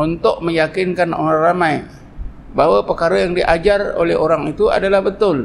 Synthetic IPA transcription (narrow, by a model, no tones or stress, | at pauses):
unt̪ʊʔ̚məjakɪnkano̰ɾaŋramaj | bawapərkaɾajaŋdiʔad͡ʒaro̰lɛɦoɾaŋit̪ua̰dalahbət̪ʊl